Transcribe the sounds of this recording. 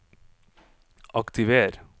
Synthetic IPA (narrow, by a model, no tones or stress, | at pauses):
ʔɑkt̪ɪʋeːɾ